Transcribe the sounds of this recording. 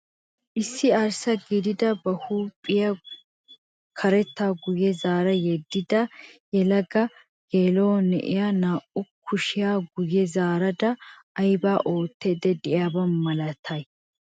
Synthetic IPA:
ʔɪsːɪɐɾsɐɡid̪ɪd̪ɐbɐhuːpʼːɪjɐ | kʰɐɾɛt̪ːaːɡʊjɛzaːɾɐjɛd̪ːɪd̪ɐjɛlɐɡɐ | ɡ̥eːloːnɛ̰ʔɪjanaːʔʊkʰːʊʃɪjaːɡʊjːɛzaːɾɐd̪ɐ | ɐjbaːʔo̞ːt̪ːeːd̪ɛd̪ɪjaːbɐmːɐlɐt̪ʰɐj

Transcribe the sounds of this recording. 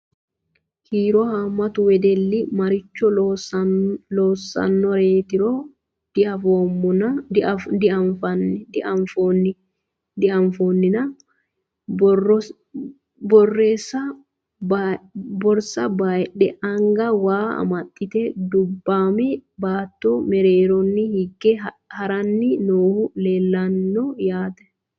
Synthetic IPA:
hiːɾɔhamːɐt̪ʊwɛd̪ɛlːɪmɐɾɪt͡ʃːɔ | loːsːɐ̰nːɔɾeːt̪ɪɾɔ̥ | ɐfoːmːʊn | d̪ɪɐɱfɐnːfn | d̪ɪɐɱfoːnːɪnɐ | bɔrːeːsːɐ | bɔɾsɐbaːjᶑɛɐŋɡɐwaːɐ̰mɐt̪ʼːɪt̪ɛd̪ʊbːaːmɛbaːt̪ːɔmɛɾeːɾɔnːɪhɪɡːɛ | hɐɾɐnːɪnoːhʊleːlːɐnːɔjaːd̪ɛ̥

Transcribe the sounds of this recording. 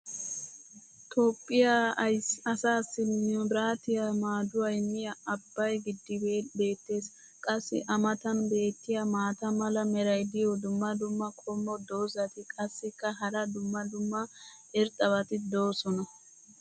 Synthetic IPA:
t̪ʰoːpʼːɪjaɐjsɐsaːsːɪnɪjɔbɾaːt̪ɪjamaːd̪ʊwɐjnɪjɐɐbːɐjɡɪd̪ːɪbe̞ːt̪ːe̞ːs | kʼɐsːɪ̰ʔɐmɐt̪ɐnbe̞ːt̪ːɪjɐmaːt̪ɐmɐlɐmɛɾɐjd̪ɪjɔd̪ʊmːɐd̪ʊmːɐkʼɔmːɔd̪o̞ːzɐt̪ɪkʼɐsːɪkːɐɦɐɾɐd̪ʊmːɐd̪ʊmːɐ | ɛɾt̪ʼɐβɐt̪ɪd̪o̞ːsɔnɐ

